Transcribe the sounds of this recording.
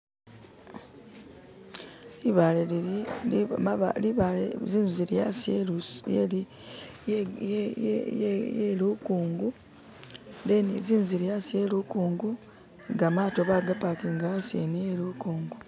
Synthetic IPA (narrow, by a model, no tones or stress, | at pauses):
liβal | liβaleziːnzuziɾjasejeli | jjelukuːŋɡu | deniziːnuziɾjasielukuːŋɡu | ɡamaːtoβaɡapakeŋɡasiḛnelukuːŋɡu